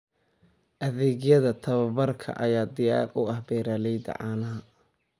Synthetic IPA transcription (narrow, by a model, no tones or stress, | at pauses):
ʔɐðɛːɣjɐðɐt̪ʰɐβɐβɐrkʰɐ̰ʔɐjaːd̪ɪjɑ̰ːqʼʊɐhbɛːɾaːlɛjd̪ɐ̰ʕɑːnɐɦɐ